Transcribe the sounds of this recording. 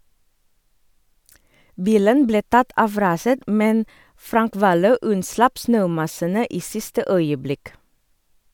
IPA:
ˈbiːlən ˈbleː ˈtɑt ˈɑʋ ˈɾɑːsət ˈmɛn ˈfɾɑŋk ˈʋɑːløː ˈʉnˌslɑp ˈsnøːˌmɑsənə ˈiː ˈsɪstə ˈœʏəˌblɪk

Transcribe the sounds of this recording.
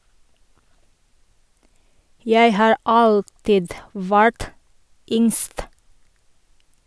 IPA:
ˈjæɪ ˈhɑːɹ ˈɑltɪd ˈʋæɹt ˈʏŋst

